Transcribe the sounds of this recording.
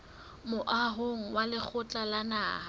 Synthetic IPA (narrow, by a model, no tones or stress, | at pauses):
mʊʔaɦʊŋ̩walɪk͡xʰʊt͡ɬʼalana̰ːɦa